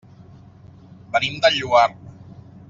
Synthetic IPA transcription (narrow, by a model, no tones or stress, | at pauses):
bənimd̪əʎuar